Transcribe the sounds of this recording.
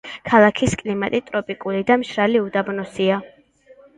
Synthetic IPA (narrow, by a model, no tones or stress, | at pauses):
kʰalˠakʰiskʼlimat̪ʼit̪ʼɾɔpʼikʼulid̪amʃɾaliud̪abnɔsia